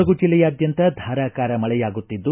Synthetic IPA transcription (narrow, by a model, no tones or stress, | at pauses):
ɐɡud͡ʒilːɛjaːd̪jɐnt̪ɐd̪ʱaːɾaːkaːɾɐmɐɭɛjaːɡut̪ːid̪ːu